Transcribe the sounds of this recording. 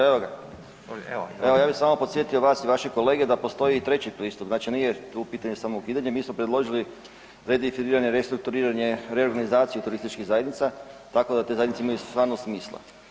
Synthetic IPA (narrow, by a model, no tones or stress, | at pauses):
eʋoɡa | eʋojaːbisamopot̪sje̞t̪ijo̞ʋaːsiʋaʃeko̞le̞ːɡed̪apo̞st̪o̞jiːt̪ɾe̞t͡ɕipɾiːst̪upznaːt͡ʃiniːje̞t̪upiːt̪aɲe̞samoukiːd̪aɲemiːsmopɾed̪lˠo̞ʒili | ɾed̪ifiɾiːɾaɲeɾest̪ɾuk̚t̪uɾiːɾaɲe̞ɾeoɾɡanizaːt̪sijut̪uɾist̪it͡ʃkiɣzajed̪nit̪sat̪akod̪at̪ezajd̪niseimajust̪ʋaːɾnosmiːslˠa̰